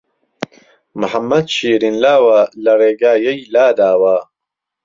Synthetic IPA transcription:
mʊħɐmːɐd̪ʃiːɾinlaːwalɐreːɡaːjɐjlaːd̪aːwa

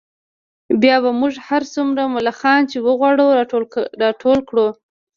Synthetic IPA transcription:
bjɑβamʊʐhaɾsumɾamʊlaxɑnt͡ʃewəɣwɑɽuɾɑʈʰolkɽu

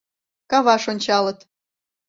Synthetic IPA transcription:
kɑβɑʃonʲt͡ɕɑlɤ̆t̪

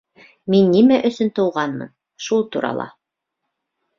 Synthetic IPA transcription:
minːimæʔɵ̆sɵnt̪ɤ̆wʁɑnmɤ̰n | ʃulˠt̪uɾɑ̰lˠɑ̰

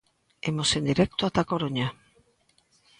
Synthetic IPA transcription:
emosend̪iɾek̚t̪oat̪akoɾoɲa

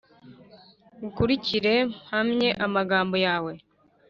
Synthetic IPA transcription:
ukuɾiciɾe̞hamɲe̞ʔamaɡaːmbo̞jaːwe̞

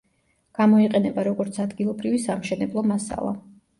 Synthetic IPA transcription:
ɡ̥amɔiqʼɛnɛbaɾɔɡɔɾt̪sʰad̪ɡilˠɔbɾivisamʃɛnɛblˠɔmasa̰lˠa̰

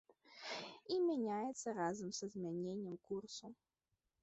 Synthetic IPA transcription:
imʲanʲajɛt̪sːɐɾazɐmsɐzʲmʲanʲenʲːɛmkursu

